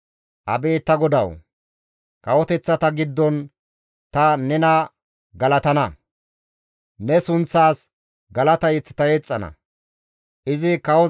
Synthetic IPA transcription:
ʔɐ̰be̞ːt̪ːɐɡɔd̪ɐ̰w | kɐwɔt̪ɛt͡sːɐt̪ɐɡɪd̪ːɔn | t̪ɐnɛnɐ | ɡɐlɐt̪ɐnɐ | nɛsʊnt͡sːaːs | ɡɐlɐt̪ɐjɛt͡sːɪ̥t̪ɐjet͡sʼːɐnɐ̰ | ʔɪzɪkɐwɔ

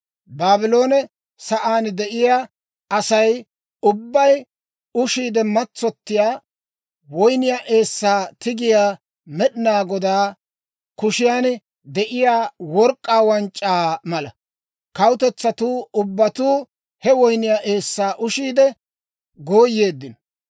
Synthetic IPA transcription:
baːbɪlo̞ːnɛ | sɐʔaːnd̪ɛʔɪjaː | ɐsɐj | ʊbːɐj | ʊʃiːd̪ɛmɐt͡sːɔt̪ːɪjaː | wɔjnɪjaʔe̞ːsːaːt̪ɪɡɪjaː | mɛɗɪnaːɡɔd̪aː | kʊʃɪjaːn | d̪ɛʔɪjaːwɔɾkʼːaːwɐnt͡ʃʼːaːmɐlɐ | kɐwʊt̪ɛt͡sːɐt̪uːʊbːɐt̪uː | hɛwɔjnɪjaʔe̞ːsːaːʔʊʃiːd̪ɛ | ɡoːjːe̞ːd̪ːɪnɔ

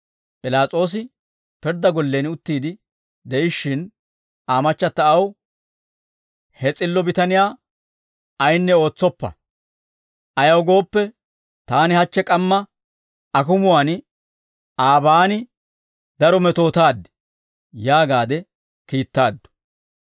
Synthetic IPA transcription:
pʼɪlaːt͡sʼo̞ːs̬ɪ | pɛɾd̪ːɐɡɔlːeːnʊt̪ːiːd̪ɪ | d̪ɛʔɪʃːɪn | aːmɐt͡ʃːɐt̪ːɐɐw | hɛt͡sʼɪlːɔbɪt̪ɐnɪjaː | ɐjnːɛo̞ːt͡sːɔpːɐ̰ | ʔɐjɐwɡo̞ːpːɛ | t̪aːnɪhɐt͡ʃːɛkʼɐmːɐ | ɐkʊmʊwaːn | aːbaːnɪ | d̪ɐɾɔmɛt̪o̞ːt̪aːd̪ːɛ̥ | jaːɡaːd̪ɛ | kiːt̪ːaːd̪ːʊ̥

